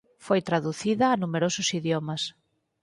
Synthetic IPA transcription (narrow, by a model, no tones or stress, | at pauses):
fojt̪ɾaðuθiðɐːnumeɾosʊsiðjomɐs